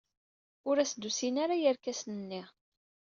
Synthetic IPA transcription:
ʊɾæsd̪usinaɾajəɾkæsnənːi

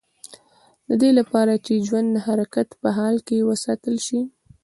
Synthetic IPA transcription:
d̪əd̪elapɑɾat͡ʃed͡ʒwand̪nahaɾakat̪pəɦɑlkewəsɑt̪əlʃi

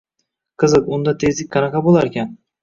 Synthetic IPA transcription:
qʰɨzɨqʊnd̪at̪ʰe̞zlɪkʲkʰːɑnɑqʰɑbolˠaɾekʲan

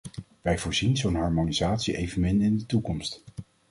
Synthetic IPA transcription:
ʋɛjvʊːɹzinzownɦɑːɹmonizaːtsiʔejvənmɪnɪndətukɔmst

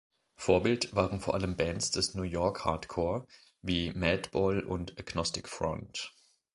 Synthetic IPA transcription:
foːɐbɪltv̥aːʁənfoːɐʔaləmbɛnsd̥ɛsnuːjɔɐkha̰ɐtkʰɔːɐ | viːmɛtb̥ɔlʊ̰ntʔaɡ̥nɔstɪkfʁ̥ɔ̰nt

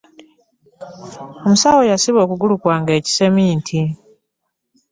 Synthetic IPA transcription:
o̞musaːwo̞jasiβo̞ːkuɡulukwaːŋɡe̞ːci̥se̞miːntʰi

